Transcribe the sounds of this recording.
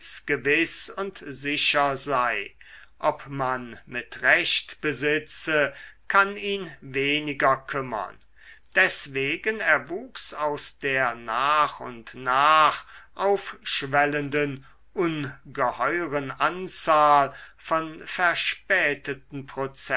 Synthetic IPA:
sɡ̥əvɪsʊntzɪʃɐzaɪ | ʔɔpmanmɪtʁɛʃtb̥əzɪt͡səkʰaniːnveːnɪɡɐkʰʏmɐ̰n | d̥ɛsv̥eːɡənɛeɐvuːksaʊsd̥eːɐnaːχʊ̰ntnaːχʔaʊfʃvɛləndən | ʔʊnɡəhɔʏʁənʔant͡saːlfɔnfɛɐʃpɛːtətn̩pʁot͡sɛ

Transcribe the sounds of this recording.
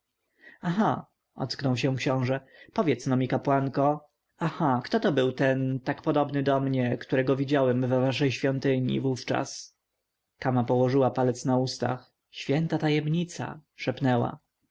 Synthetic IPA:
axa | ʔɔ̰t̪sknɔwɕɛ̃w̃kɕɔ̃w̃ʐɛ | pɔvʲjɛt̪snɔmʲikapwaŋkɔ | axakt̪ɔt̪ɔbɘwt̪ɛnt̪akpɔd̪ɔbnɘd̪ɔmɲɛkt̪uɾɛɡɔvʲid͡ʑawɛmvɛvaʂɛjɕfʲjɔnt̪ɘɲḭvuft͡ʂa̰s | kamapɔwɔʐɘwapalɛt̪snaust̪a̰x | ɕfʲjɛnt̪at̪ajɛmɲit̪sa̰ʂɛpnɛwa̰

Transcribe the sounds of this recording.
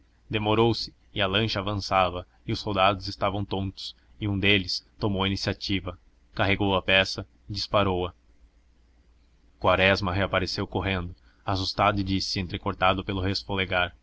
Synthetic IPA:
d̪emoɾowsɪ̥ | ɪɐlɐ̃ʃɐaːvɐ̃savɐ | ɪʊsːowd̪ad̪ʊzɪst̪avɐ̃w̃t̪õnt̪ʊ̥s | ɪũd̪elɪst̪omowɐinisiat͡ʃivɐ | kaɦeɡowɐpɛsɐ | ɪd͡ʒispaɾowɐ | kwaɾɛzmɐɦeapaɾesewkoɦẽnd̪ʊ | asust̪ad̪ʊɪd͡ʒisɪẽnt̪ɾekoɾt̪ad̪ʊpelʊɦesfoleɡaɾ

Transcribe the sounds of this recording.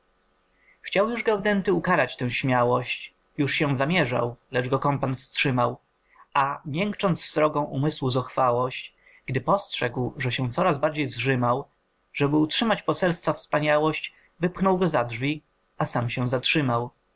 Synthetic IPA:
xt͡ɕawjuʐɡawd̪ɛnt̪ɘukaɾat͡ɕt̪ɛ̃w̃ɕmʲjawɔɕt͡ɕ | juʂɕɛ̃zamʲjɛʐa̰wlɛʐɡɔkɔmpanfstʂɘmaw | ʔamʲjɛŋkt͡ʂɔnt̪sːɾɔɡɔ̃w̃ʔumɘswuzɔxfawɔɕt͡ɕ | ɡ̥d̪ɘpɔstʂɛɡwʐɛɕɛ̃w̃t̪sɔɾazbaɾd͡ʑejzʐɘmaw | ʐ̥ɛbɘutʂɘmat͡ɕpɔsɛlst̪fafspaɲawɔɕt͡ɕ | vɘpxnɔwɡɔzadʐvʲi | asamɕɛ̃w̃zatʂɘmaw

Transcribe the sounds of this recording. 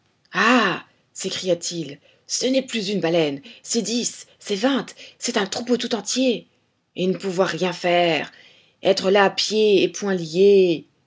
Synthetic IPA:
a | sekχijat̪ʰil | sənɛplyzynbalɛnsɛd̪isːɛvɛ̃t̪sɛt̪ɛ̃t̪χupot̪ut̪ɑ̃t̪je | enəpuvwaʁːjɛ̃fɛʁ | ɛt̪χəlaːpjeepwɛ̃lje

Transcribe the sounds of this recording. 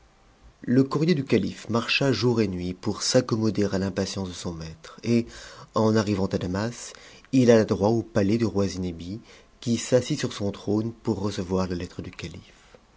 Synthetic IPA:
ləkuʁjed̪ykalifmaʁʃaʒuʁenɥipuʁsakɔmɔd̪eʁalɛ̃pasjɑ̃sd̪əsɔ̃mɛt̪χeɑ̃naʁivɑ̃t̪ad̪amas | ilalad̪ʁwaopaled̪əʁwazinebi | kʲisasisyʁsɔ̃t̪χonpuʁːəsəvwaʁlalɛt̪χəd̪ykalif

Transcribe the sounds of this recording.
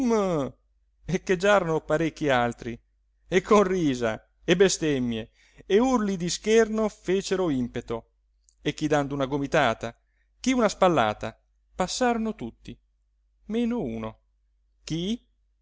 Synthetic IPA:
m | ekːed͡ʒaːɾonopaɾekːialt̪ɾi | ekʰːonriːza̰ | ebest̪emːje | eurlid̪iskernofeːt͡ʃeɾoimpet̪o | ek̟ːid̪and̪ounaɡomit̪aːt̪a | k̟iunaspalːa̰ːt̪a | pasːaːɾonot̪ut̪ːi | meːnoṵːno | k̟i

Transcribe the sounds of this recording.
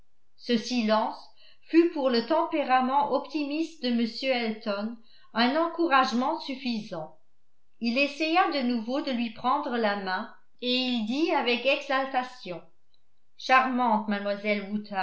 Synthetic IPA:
səsilɑ̃s | fypuʁlət̪ɑ̃peʁamɑ̃ʔɔpt̪imist̪d̪əməsjøɛlt̪ɔn | ɛ̃nɑ̃kuʁaʒmɑ̃syfizɑ̃ | ilesɛjad̪ənuvod̪əlɥipχɑ̃d̪ʁəlamɛ̃ | eild̪iavɛkɛɡzalt̪asjɔ̃ | ʃaʁmɑ̃t̪manmwazɛlwut̪a

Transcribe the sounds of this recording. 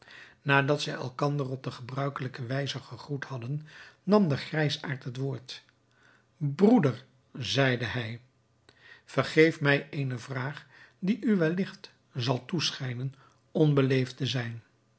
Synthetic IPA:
naːdɑtsɛjɛ̰lˠkɑndərɔb̚dəχəbrœɥkələkəʋɛjzəχəχruthɑdənːɑmdəχrɛjsaːɹtɦətʋoːɹt | brudəɹ | zɛjdəɦɛj | v̥ərχejfmɛjʔejnəvraːχ | diʔyʋɛlɪχt | zɑlˠtusχɛjnən | ɔnbəlejftəzɛjn

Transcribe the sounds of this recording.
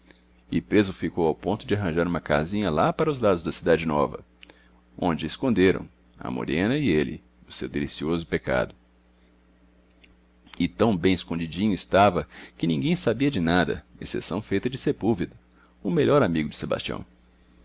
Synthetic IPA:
ɪpɾezʊfikowawpõnt̪ʊd͡ʒɪaɦɐ̃ʒaɾũmɐka̰zĩɲɐlapaɾɐʊzlad̪ʊzd̪ɐsid̪ad͡ʒɪnɔvɐ̰ | õ̰nd͡ʒɪːskõnd̪eɾɐ̰̃w̃ | ɐ̰mo̰ɾẽnɐɪelɪ̰ | ʊsewd̪elisiozʊpeka̰d̪ʊ | ɪt̪ɐ̃w̃bẽj̃ɪskõd͡ʒid͡ʒĩɲʊɪst̪avɐkɪnĩɡẽj̃sabiɐd͡ʒɪnad̪ɐ̰ḛsḛsɐ̃w̃fejt̪ɐd͡ʒɪsepulvid̪ɐ | ʊmeʎɔɾamiɡʊd͡ʒɪseba̰st͡ʃiɐ̰̃w̃

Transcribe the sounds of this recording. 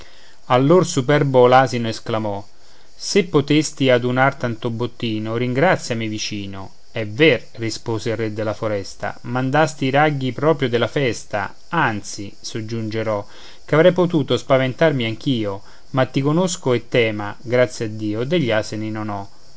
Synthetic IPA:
alːorsupɛrbolaːzinoesklamɔ | sepːot̪est̪iad̪unart̪ant̪obːot̪ːiːnoɾiŋɡɾat̪sjamivit͡ʃiːno̰ | ɛverːispoːzeilrːed̪ːelafoɾɛst̪a̰mand̪ast̪iɾaɡːipɾɔːpɾjod̪ɪlafɛst̪a̰ | ant̪si | sod͡ʒːund͡ʒeɾɔ | kavɾɛjpot̪uːt̪ospavent̪armiaŋk̟iːo | mat̪ːikonoskoet̪ːɛːmaɡɾat̪sːjad̪ːiːod̪eʎːaːseninonɔ

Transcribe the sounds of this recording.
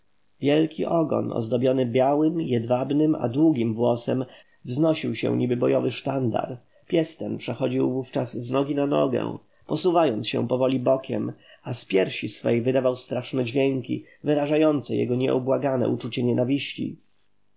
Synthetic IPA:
vʲjɛlkʲiʔɔɡɔ̰nɔ̰zd̪ɔbʲjɔnɘbʲjawɘmjɛd̪vabnɘma̰d̪wuɡʲimvwɔsɛm | vznɔɕiwɕɛ̰̃ɲibɘbɔjɔvɘʂt̪and̪a̰ɾ | pʲjɛst̪ɛnpʂɛxɔd͡ʑiwvuft͡ʂazznɔɡʲinanɔ̰ɡɛ̰ | pɔsuvajɔnt̪ɕɛ̰pɔvɔlʲibɔkʲɛ̰maspʲjɛɾɕisfɛjvɘd̪avawst̪ɾaʂnɛd͡ʑvʲjɛŋkʲḭ | vɘɾaʐajɔnt̪sɛjɛ̰ɡɔɲɛubwaɡanɛ̰ʔut͡ʂut͡ɕɛɲɛnavʲiɕt͡ɕḭ

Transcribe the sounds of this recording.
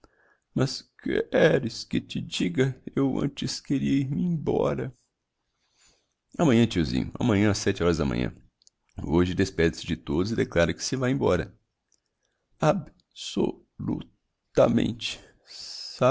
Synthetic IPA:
mɐskɪ̰ɛɾɪskɪt͡ʃɪd͡ʒiɡɐewɐ̰̃t͡ʃɪskeɾiɐiɾmɪẽbɔ̰ɾɐ | ɐmɐ̃ɲɐ̃t͡ʃiwzḭ̃ɲʊɐ̰mɐ̃ɲɐ̃asɛt͡ʃɪɔɾɐzd̪ɐmɐ̰̃ɲɐ̰̃ | oʒɪd̪espɛd͡ʒ̪ɪsɪd͡ʒɪt̪od̪ʊzɪd̪eklaɾɐkɪ̥sɪvajẽbɔɾɐ̰ | ab | so̰ | lṵ | t̪ɐmḛ̃nt͡ʃɪ̥ | sa

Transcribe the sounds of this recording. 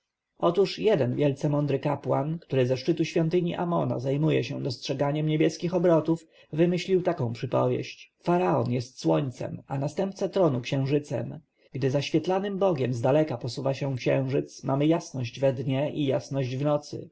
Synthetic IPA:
ɔt̪uʂjɛd̪ɛnvʲjɛlt̪sɛmɔnd̪ɾɘkapwa̰nkt̪uɾɘzɛʂt͡ʂɘt̪uɕfʲjɔnt̪ɘɲiʔamɔna̰zajmujɛɕɛ̰̃d̪ɔstʂɛɡaɲɛmɲebʲjɛskʲixɔbɾɔt̪uf | vɘmɘɕlʲiwt̪akɔ̃w̃pʂɘpɔ̰vʲjɛ̰ɕt͡ɕfaɾaɔnjɛst̪swɔɲt̪sɛ̰manast̪ɛmp̚t̪sat̪ɾɔnukɕɛ̃w̃ʐɘt̪sɛ̰m | ɡ̥d̪ɘzaɕfʲjɛt̪lanɘmbɔɡʲɛmzd̪alɛkapɔsuvaɕɛkɕɛ̃w̃ʐɘt̪smamɘjasnɔʑd͡ʑvɛd̪ɲɛʔijasnɔʑd͡ʑvnɔt̪sɘ̰

